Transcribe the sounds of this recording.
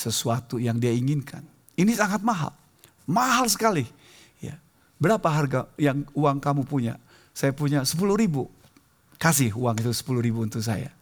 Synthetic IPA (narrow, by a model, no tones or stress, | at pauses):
səsuat̪ujaŋdiaiŋinkʰan | inisaŋat̪̚maɦa̰l | maɦals̬ə̥kali | ja̰ | bəɾapaɦarɡajaŋuaŋkamupuɲa̰ | sajapuɲasə̥puluhɾibu | kas̬ɪhuaŋit̪usə̥puluhɾibuːnt̪us̬a̰ja̰